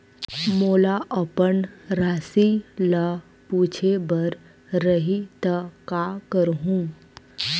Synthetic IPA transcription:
moːlaʔəpəɳɾasila | puːt͡ʃʰebəɾ | ɾəɦit̪əkakəɾɦũː

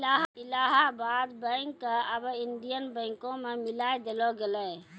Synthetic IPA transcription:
aɦilaɦabad̪bə̃ɪŋkːeəbəinɖijənbə̃ɪ̃ŋkõmemilajd̪elɔɡelɛ

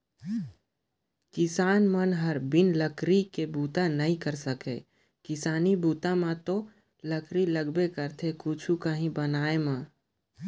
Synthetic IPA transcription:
kɪsaːnmənɦəɾbɪnləkɾikebuːt̪anəɦĩkəɾsəkḛ | kɪsaːnibuːt̪amãt̪o | ləkɾiləɡbekəɾt̪ʰekʊt͡ʃʰukəɦĩbənaːemãː

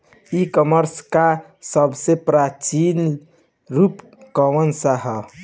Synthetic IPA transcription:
ikəməɾska | səbʱsepɾat͡ʃin | ɾuːp | kəʋənsəɦɛ

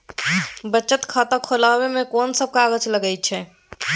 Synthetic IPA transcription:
bətːt͡ʃət̪kʰaːt̪akʰolaːwemẽkɔːnsəb̚kaːɡət͡ʃləɡəit͡ʃʰɛː

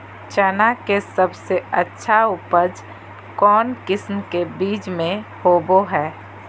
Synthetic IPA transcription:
t͡ʃɛnakesəbseətːʃʰaupəd͡ʒ | kɔːnkɪsmkebiːt͡ʃmẽhoːboɦɛː

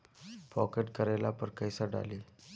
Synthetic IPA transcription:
pɔkeʈkəɾalapəɾkəjsaɖa̰li

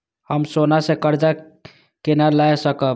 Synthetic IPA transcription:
həmsonasekəɾd͡ʒa | kenalaesəkəb

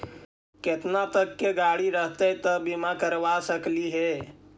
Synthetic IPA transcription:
ket̪nat̪əkːeɡaɽiɾəɦt̪ət̪əbimakəɾʋasəkliɦɛ

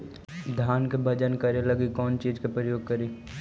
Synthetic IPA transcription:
d̪ʱjaːnkebʱɐd͡ʒənkɐɾelɐɡikɔːnt͡ʃiːd͡ʒkepɾəjoːɡ̚kɐɾeː

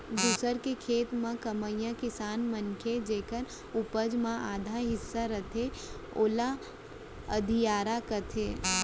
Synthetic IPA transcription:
d̪uːsəɾkekʰeːt̪mãkəməjãkɪsaːnmənkʰed͡ʒeːkəɾ | ʊpəd͡ʒmãaːd̪ʱaɦɪsːaɾɐt̪ʰe | oːla | əd̪ʱijaːɾakɐt̪ʰeː

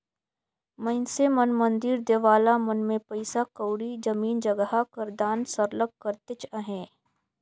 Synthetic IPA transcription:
mɐɪnsemənmə̃nd̪iːɾd̪eːʋaːlamɐnmẽpɐɪsakəːɽid͡ʒɐmiːnd͡ʒəɡɦakəɾd̪aːnsəɾlək̚kəɾt̪et͡ʃəɦɛ̃ː

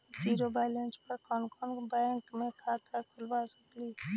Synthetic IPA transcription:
d͡ʒiːɾobalenspəɾkɔːnkɔnbajəŋkmẽkʰaːt̪ət̪əlbasəkli

